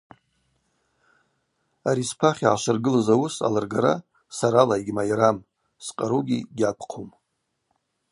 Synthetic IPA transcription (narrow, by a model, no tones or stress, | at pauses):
aɾispʰaχʲiʕaʃɨrɡɨlazawʊsa̰larɡaɾa̰ | saɾalajɡʲmajɾam | sqʼaɾuɡʲḭɡʲapʰqʰum